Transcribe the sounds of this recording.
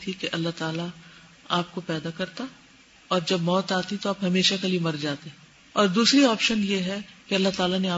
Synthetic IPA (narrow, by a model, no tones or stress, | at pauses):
t̪ʰikeʔɐlːaɦt̪aːla | aːp̚kopɛːd̪akɐɾt̪a | ɔːɾd͡ʒɐbmɔːt̪aːt̪it̪oaːpɦɐmeːʃakaliemɐɾd͡ʒaːt̪eɛ | ɔːɾd̪uːsɾiɔːpʃənjeɦɛkeɐlːaɦt̪aːlaneaː